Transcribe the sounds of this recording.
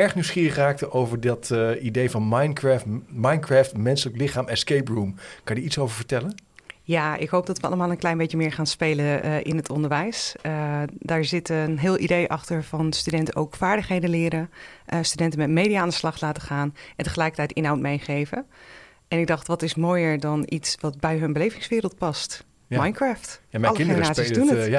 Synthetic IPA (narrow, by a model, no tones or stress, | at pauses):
ɛɹχnywsχiːrəχraːk̚təʔowvəɹdɑtidejvɑnmajnkɹamajnkraːftmɛnsələklɪχaːmɛskejprumkɑnjəitsowvəɹvəɹtɛlənjaːɪ̰kɦowp̚dɑtʋəɑ̰lˠəmaːlˠənklɛjnbejtjəmɪːɹχaːnspejləʔɪ̰nətʰɔndəɹʋɛjsədaːɹzɪtnɦɪːlˠidejʔɑχtəɹvɑnstydɛntəʔowkfaːɹdəχɦejdənlɪːɾəʔəstydɛntənmɛtmejdiaaːndəslɑχtlaːtəχaːnɛntəχəlɛjkəɹtɛjtɪnɦawt̚mejχejvə | ʔɛnɪɡ̚dɑχtʋɑtɪsmoːjəɹdɑnʔitsʋɑtbɛjɦɵnbəlejvɪŋsʋɪːɾəlˠt̚pɑst | majnkɹaːftmɛɑlˠəxenəraːtsizdunə